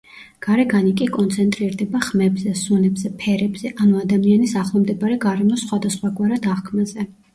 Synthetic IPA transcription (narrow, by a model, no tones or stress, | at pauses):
ɡ̥aɾɛɡanikʼikʼɔnt̪sʰɛnt̪ʼɾiɾd̪ɛbaχmɛbzɛsunɛbz̥ɛpʰɛɾɛbz̥ɛʔanuad̪amianisaχlˠamd̪ɛbaɾɛɡaɾɛmɔsχwad̪asχwaɡʼwaɾad̪aʁkʰmazɛ